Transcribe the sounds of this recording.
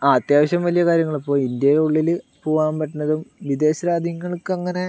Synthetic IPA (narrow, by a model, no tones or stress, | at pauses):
aːt̪jaːʋɐɕjɐmʋɐlijɐkaːɾjɐŋːɐɭipːo̞ːind̪jɐjuɭːilɨpoːʋaːnpɐʈːunːɐðumʋid̪e̞ːɕɐɾaːd̪ʱjiŋːɐɭkɐŋːɐne̞